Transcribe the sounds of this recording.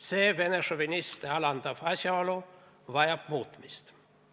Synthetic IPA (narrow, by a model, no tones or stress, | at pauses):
seʋeneʂoʋinʲist̪eɑlɑnt̪ɑfɑsjɑolu | ʋɑjɑpmuːt̪ːmist̪